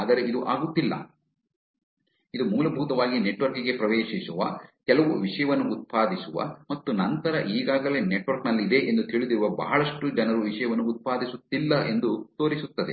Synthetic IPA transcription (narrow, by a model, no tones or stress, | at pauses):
aːd̪ɐɾe̞id̪uʔaːɡut̪ːilːɐ̰ | id̪umuːlɐbʱuːt̪ɐʋaːɡineʈʋɐɾkiɡe̞pɾɐʋeːʃisuʋɐ̰kɛlɐʋuʋiʂɐjɐʋɐnːuʔːt̪̚paːd̪isuʋɐ̰mɐt̪ːunɐnt̪ɐɾɐʔiːɡaːɡɐle̞ːneʈʋɐɾknɐlːid̪e̞ʔend̪ut̪iːɭud̪iɾuʋɐbʱɐ̰ːɐɭɐʂʈud͡ʒɛnɐɾuʋiʂɐjɐʋɐnːuːt̪̚paːd̪ʱisut̪ːilːɐʔe̞nd̪ut̪o̞ːɾisut̪ːɐd̪e